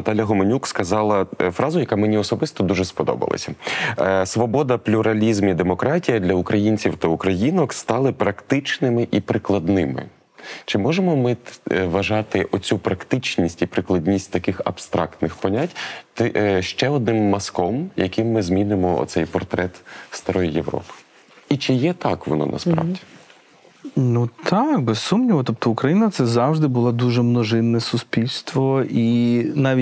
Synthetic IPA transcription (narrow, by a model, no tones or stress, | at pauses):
ɐt̪ɑlʲjɐɦɔmenʲukskɐzɑlˠɐfɾʔɑzʊjɐkamenʲiɔsɔbɪst̪ɔd̪uʒɛspɔd̪ɔ̰bɐ̰lˠɐ̰sʲɐ | sʋɔbɔd̪ɐplʲuɾɐlʲizmid̪emɔkɾɑtʲijɐd̪lʲɐukɾɐjinʲt͡sʲiwt̪ɐukɾɐjinɔkst̪ɑlˠɪpɾɐkt̪ɪt͡ʃnɪmɪʔipɾɪklˠɐd̪nɪmɪ̰ | t͡ʃɪmɔʒemɔmɪʋɐʒɑt̪ɪʔɔt͡sʲupɾɐkt̪ɪt͡ʃnʲisʲtʲipɾɪklˠɐdʲnʲisʲt̚ʲt̪ɐkɪxɐ̰b̥st̪ɾɑ̰kt̪nɪxpɔnʲatʲt̪ɪʃt͡ʃɛɔd̪nɪmːɐskɔmjɐkʲɪmːɪzmʲinɪmɔɔ̰t̪sɛjpɔrt̪ɾɛt̪st̪ɐɾɔjijeʋɾɔ̰pɪ̥ | it͡ʃɪjɛt̪ɑkʋɔ̰nɔ̰nɐ̰spɾɑ̰ʋdʲi | nut̪ʰɑkbɛssumnʲiʋɔt̪ɔp̚t̪ɔʊkɾɐjinɐt̪sɛzɑwʒd̪ɪbʊlˠad̪uʒɛmnɔʒɪnːɛsʊspʲilʲst̪ʋɔinɑʋʲi